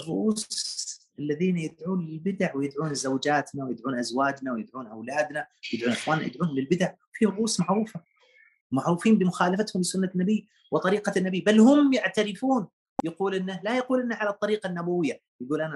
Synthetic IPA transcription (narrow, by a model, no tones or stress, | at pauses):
rˤːʊʔuːsʔalːaðiːnjɪd̪ʕuːnlɪlbɪd̪aʕwɪjɪd̪ʕuːnzawd͡ʒaːt̪nawɪjɪd̪ʕuːnʔazwaːd͡ʒnawɪjɪd̪ʕuːnʔawlaːd̪nawjɪd̪ʕuːnʔɪxwaːnːajɪ̰d̪ʕuːnhʊmlɪlbɪd̪aʕwfiːɾˤʊʔuːsmaʕɾuːfa | maʕɾuːfiːmbɪmʊxaːlafat̪hʊmlɪsʊnːanːabiː | wɪt̪ˤɑɾiːqɑnːabiːbalhʊmjɪʕt̪aɾɪfuːn | jaquːlʔɪnːalajaquːlʔɪnːaʕalat̪ˤːɑɾiːqanːabawɪjːa | jɪɡuːlʔan